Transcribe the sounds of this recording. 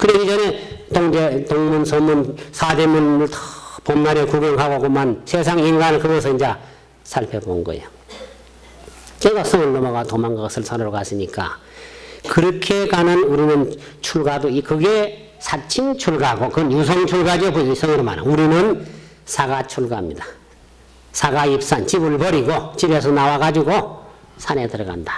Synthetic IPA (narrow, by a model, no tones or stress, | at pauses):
kɯɾiɡid͡ʑʌne̞t̪oŋdet̪oŋmunsʰomunsʰademunɯɭtʰpomnaɾjʌkuɡʌŋɦaɡoɡomansʰes̬ʰaŋinɡanɯnkɯɡʌs̬ʰʌind͡ʑa | sʰaɭpʰebonɡʌ̰ḛjo | keɡas͈ʰʌŋɯɭːomʌɡatomaŋɡaasʰɯɭsʰanɯɾokasɯɲik͈a̰ | kɯɾʌkʰekanɯnuɾinɯn | t͡ɕʰuɭɡadoikɯɡe | sʰat͡ɕʰint͡ɕʰuɭɡaɡokɯnjus̬ʰʌŋt͡ɕʰuɭɡad͡ʑiopois͈ʰʌŋiɾoma̰na̰uɾinɯn | sʰaɡat͡ɕʰuɭɡamɲidḁ | sʰaɡaip̚s͈ant͡ɕibɯɭbʌɾiɡot͡ɕibe̞s̬ʰʌnawaɣad͡ʑiɡo | sʰanetɯɾʌɡa̰ndḁ